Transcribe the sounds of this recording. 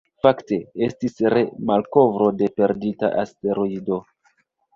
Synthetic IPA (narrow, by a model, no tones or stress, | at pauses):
fakte̞estisɾe̞malko̞vɾo̞de̞pe̞ɾdita̰ʔaste̞ɾoido̞